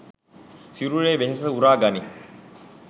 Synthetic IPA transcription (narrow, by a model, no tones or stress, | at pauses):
siɾuɾeːʋeɦes̬əuɾaːɡɐni